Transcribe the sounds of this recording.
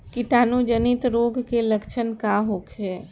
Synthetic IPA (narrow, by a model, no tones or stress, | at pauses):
kiʈanud͡ʒənit̪ɾoɡkeləkt͡ʃʰənkaɦokʰɦe